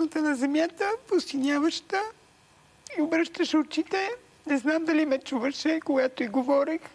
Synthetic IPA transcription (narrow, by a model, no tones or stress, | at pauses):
not̪ənɐzɛmjat̪əpost̪inʲjavəʃt̪ə | iobɾəʃt̪əʃɛot͡ʃit̪ɛ | nɛznamd̪ɐlimɛt͡ʃuvəʃɛkoɡat̪oiɡovɔɾix